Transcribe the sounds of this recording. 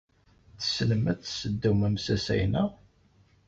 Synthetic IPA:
θə̥sləmæt͡sːsəd̪ːæmæmsæsæ̰jnæ

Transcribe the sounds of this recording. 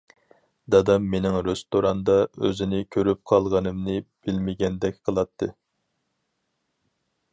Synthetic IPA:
d̪ɑd̪ɑmːenɪŋɾest̪oɾɑnd̪ɑø̰zɪnɪkʲʰøɾyp̚qʰɑlˠʁɑnɨmnɨb̥ɪlmɪɡʲɛnd̪ɛk̚ʲqʰəlˠɑt̪ʰːɨ

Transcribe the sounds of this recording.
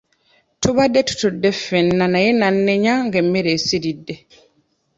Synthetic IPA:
tuβadːe̞tu̥tudːe̞fenːanajenanːe̞ɲaŋɡemːe̞ɾe̞ːsiɾidːe̞

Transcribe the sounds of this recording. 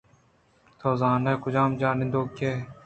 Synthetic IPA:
t̪ʰoːzaːnɐkʊd͡ʑaːmd͡ʑaːnid̪oːke

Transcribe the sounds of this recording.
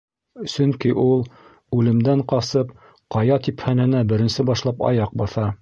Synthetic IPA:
sɵŋkiʔulˠ | ʉlɘ̆md̪æɴqɑsɤp | qɑjɑt̪ipχænɘ̆næbɘ̆ɾɘ̆nsɘbɑʃlˠɑpɑ̰jɑq̚bɑθɑ

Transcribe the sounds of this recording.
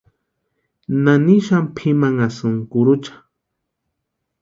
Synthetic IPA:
nanɪʃampʰɪmaŋasʊŋkʊɾʊt͡ʃḁ

